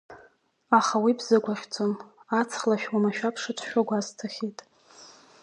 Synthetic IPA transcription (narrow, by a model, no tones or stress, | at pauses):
aχawibzaɡʷaχʲt͡sʰʼonat͡sʰχlaʃᶣwamaʃᶣapʰʂat͡ʃʷʰʃᶣaɡʷaztʰaχʲijtʼ